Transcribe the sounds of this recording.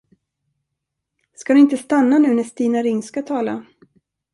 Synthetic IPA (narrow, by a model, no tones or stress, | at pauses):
skad̪ɵɪnt̪əst̪anːanʉ̟ːnɛst̪iːnaɾɪŋskat̪ʰɑːla̰